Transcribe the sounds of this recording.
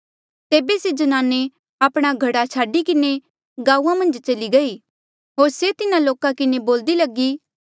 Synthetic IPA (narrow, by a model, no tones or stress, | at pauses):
t̪eːbesed͡ʒɐnaːne | aːpɽ̃aɡʱɐɽat͡ʃʰaːɖikɪne | ɡaːuːãmɐ̃nd͡ʒt͡ʃɐliɡɐiː | ɦoːɾset̪ɪnãloːkãkɪneboːld̪ilɐɡiː